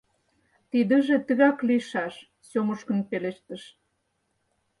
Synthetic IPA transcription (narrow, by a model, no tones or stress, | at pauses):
t̪id̪ə̆ʒĕt̪ə̆ɣɑkliʃɑʃ | soməʃkə̆npeleʃt̪ə̆ʃ